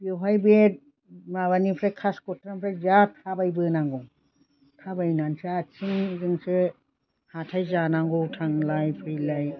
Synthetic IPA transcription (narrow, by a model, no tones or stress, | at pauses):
beɦajbet̚ | maβanipʰɾakʰaskɔtʰɾampʰɾazatʰabajbɯnaŋɡɔ | tʰabajnansaat͡ʃʰiŋzɯŋsɯ | hatʰajzanaŋɡɔwtʰaŋlajpʰɾɯjlaj